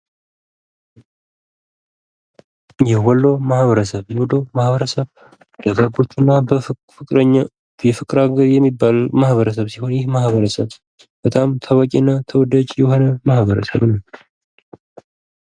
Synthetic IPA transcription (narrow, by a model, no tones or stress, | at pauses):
jɛhwɔlːo̞mahβəɾəsəβjɛwɔlomahβəɾəsəβ | d̪̥əɡaɡo̞t͡ʃːɨnːa | fɨɾ | jɛfɨkʼɾaɡəɾjɛmːibːalmahβəɾəs̬əβsiho̞njɪhmahβəɾəsəβ | b̥ət̪ʼamt̪ʰaβakʼinːat̪ʰəwɔd̪at͡ʃʼjɛho̞nəmahβəɾə̰sə̰βnəw